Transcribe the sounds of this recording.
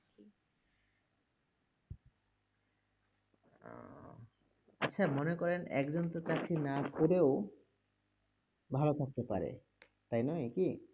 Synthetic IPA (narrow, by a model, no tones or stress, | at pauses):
a̰tːɕʰamonekɔɾenɛ̰kd͡ʑont̪ot͡ɕakɾinakoɾeo | bʱalot̪ʰak̚t̪epaɾḛ | t̪ajnɔjki